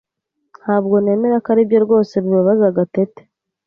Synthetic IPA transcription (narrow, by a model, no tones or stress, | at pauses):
n̥haːbɡo̞ne̞ːme̞ɾakaɾibjo̞ɾɡo̞ːse̞βiβaβazaɡatete̥